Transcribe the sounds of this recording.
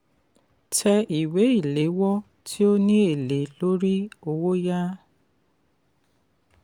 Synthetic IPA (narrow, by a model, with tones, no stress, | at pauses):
tʰɛ˦ʔi˨we˦i˨le˨˦wɔ˦ | tʰi˦o˦ɲe˦e˨le˨lo˦ɾi˦o˨wo˦ja˦